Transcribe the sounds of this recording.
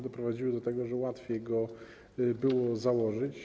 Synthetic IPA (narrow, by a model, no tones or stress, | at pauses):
d̪ɔpɾɔvad͡ʑiwɘd̪ɔt̪ɛɡɔʐɛwat̪fʲjejɡɔ | bɘwɔzawɔʐɘt͡ɕ